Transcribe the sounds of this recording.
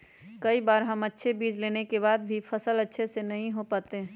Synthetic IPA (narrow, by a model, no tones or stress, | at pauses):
kɐibaːɾɦəmətːʃʰebiːd͡ʒleːnekebaːd̪bʱipʰəsələtːʃʰesenɐɦĩɦopaːt̪eɦɛ̃ː